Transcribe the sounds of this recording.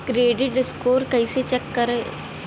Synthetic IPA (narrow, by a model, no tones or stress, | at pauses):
kɾeːɖɪʈɖɪskoːɾkəiset͡ʃɛkːəɾe